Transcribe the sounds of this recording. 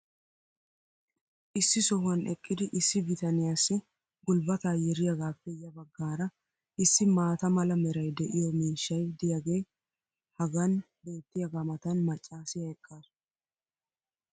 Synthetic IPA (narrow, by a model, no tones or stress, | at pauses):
ʔɪsːɪsɔhʊɐnɛkʼːɪd̪ɪʔɪsːɪvɪt̪ɐnɪjaːsːɪ | ɡʊlbɐt̪aːjɛɾɪjɐɡaːpːɛjɐbɐɡːaːɾɐ | ʔɪsːɪmaːt̪ɐmɐlɐmɛɾɐjd̪ɛʔɪjɔmiːʃːɐjd̪ɪjaɡe̞ː | hɐɡɐn | be̞ːt̪ːɪjɐɡamɐt̪ɐnmɐt͡ʃʼːaːsɪjɐɛkʼːaːɾ